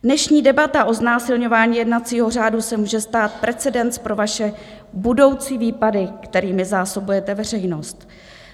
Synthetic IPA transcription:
dnɛʃɲiːdɛbat̪aʔo̞znaːsɪlɲo̞vaːɲiːjɛdnat͡siːɦo̞r̝aːdusɛmuːʒɛst̪aːt̪̚pɾɛt͡sɛdɛnt͡spɾo̞vaʃɛbudo̞wt͡siːviːpadɪkt̪ɛɾiːmɪzaːso̞bujɛt̪ɛvɛr̝ɛjno̞st̪

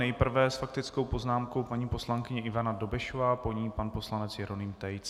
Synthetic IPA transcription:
nɛjpr̩vɛːsfak̚t̪ɪt͡sko̞wpo̞znaːmko̞wpaɲiːposlaŋkɪɲɛʔɪvanado̞bɪʃovaːpo̞ɲiːpanpo̞slanɛt͡sjɛɾo̞niːmt̪ɛjt͡s

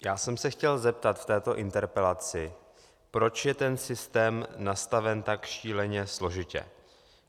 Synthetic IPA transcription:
jaːsɛmsɛxcɛlzɛp̚t̪at̪ft̪ɛːt̪o̞ʔɪnt̪ɛɾpɛlat͡sɪ | pɾo̞t͡ʃjɛt̪ɛnsɪst̪ɛːmnast̪avɛnt̪akʃiːlɛɲɛslo̞ʒɪcɛ̰

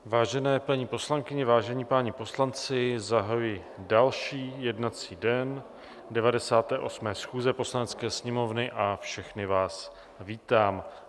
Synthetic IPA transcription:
vaːʒɛnɛːpaɲiːpo̞slaŋkɪɲɛvaːʒɛɲiːpaɲipo̞slant͡sɪzaɦajujɪ | dalʃiːjɛdnat͡siːdɛn | dɛvadɛsaːt̪ɛːʔo̞smɛːsxuːzɛpo̞slanɛt͡skɛːsɲɛmo̞vnɪʔafʃɛxnɪvaːs | viːt̪aːm

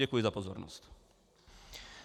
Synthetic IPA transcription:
ɛkujɛzapɔzɔ̰ɾnɔ̰st

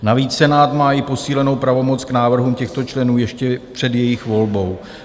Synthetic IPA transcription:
naviːt͡ssɛnaːt̪maːɪpo̞siːlɛno̞wpɾavo̞mo̞t͡sknaːvr̩ɦuːmcɛxt̪o̞t͡ʃlɛnuːjɛʃcɛpr̝̥ɛdjɛjɪxvo̞lbo̞w

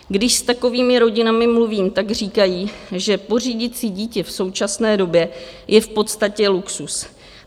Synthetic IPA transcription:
ɡdɪʃst̪ako̞viːmɪɾo̞ɟɪnamɪmluviːmt̪aɡr̝iːkajiːʒɛpo̞r̝iːɟɪt̪t͡siːɟiːcɛfso̞wt͡ʃasnɛːdo̞bjɛjʔɛfpo̞t̪st̪acɛluksus

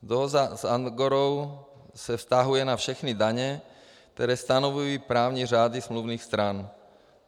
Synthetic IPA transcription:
d̪ɔɦɔzzanɡɔɾɔʊ | sɛfst̪aɦujɛnafʃɛxnid̪aɲɛ | k̚t̪ɛɾɛːst̪anɔʋujipɾaːʊɲiʒad̪izmluʊniːxst̪ɾaːn

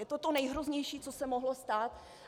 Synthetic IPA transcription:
jɛt̪ot̪onɛjɦɾozɲɛjʃiːt͡sosɛmoɦlost̪aːt̪

